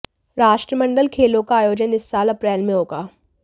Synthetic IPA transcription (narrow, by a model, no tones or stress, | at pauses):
ɾaːʃʈɾəmə̃ɳɖəlkʰeːlõkaaːjoːd͡ʒənɪsːaːlɐpɾɛːlmẽɦoːɡaː